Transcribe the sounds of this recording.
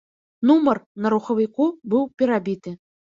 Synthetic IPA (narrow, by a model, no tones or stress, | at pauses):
numərnɐɾuxɐvʲikubɨwpʲɛɾabʲit̪ɨ